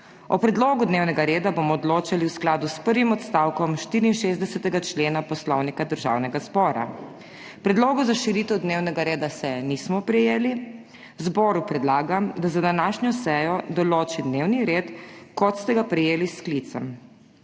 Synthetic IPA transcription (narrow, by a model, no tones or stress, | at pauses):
ɔpɾɛd̪loːɡud̪neːwnɛɡaɾeːd̪abomɔːd̪loːt͡ʃaliwsklaːd̪uspəɾʋimɔt̪st̪awkɔmʃt̪iɾiːnʃezd̪ɛsɛt̪ɛɡat͡ʃleːnapɔslɔwnikad̪əɾʒa̰wnɛɡazbɔːɾa̰ | pɾɛd̪loːɡɔzaʃiɾiːt̪ɛwd̪newnɛɡaɾeːd̪asɛnismɔpɾɛjeːli | zbɔːɾupɾɛd̪laːɡamd̪azad̪anaːʃɲɔsɛjɔd̪ɔloːt͡ʃid̪newniɾeːt̪kɔt̪st̪ɛɡapɾɛjeːlisklit̪sɛ̰m